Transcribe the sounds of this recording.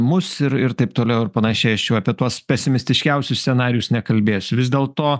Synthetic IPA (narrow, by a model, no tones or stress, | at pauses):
mʊsɪɾɪɾt̪ɐɪpt̪oːlʲɛʊɪɾpɐnɐʃʲɛɪɐʃjɛʊɐpʲiɛt̪uɔspʲɛsʲɪmʲɪsʲt̪ʲɪʃʲkʲɛʊsʲʊssʲsʲɛnɑːɾʲɪjʊsnʲɛkɐlʲbʲeːsʲʊʋʲɪzd̪ʲeːlˠt̪oː